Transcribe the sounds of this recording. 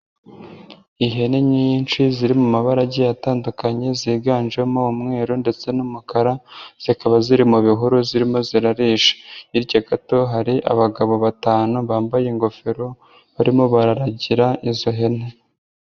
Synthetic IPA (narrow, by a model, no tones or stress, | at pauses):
iɦe̞ne̞ɲint͡ʃiziɾimumaβaɾaɟejataːndukaɲe̞ziːɡaːnʒemoumŋe̞ːɾonde̞t͡se̞numukaɾaz̥ikaβaziɾimuβiɦuɾuziɾimo̞ziɾaɾiːʃe̥iɾɟaɡato̞ɦaɾiʔa̰βaɡaβo̞βataːnuβaːmbajeŋɡo̞fe̞ɾo̞ | βaɾimo̞βaɾaɾaɟiɾaʔizo̞ɦe̞ne̞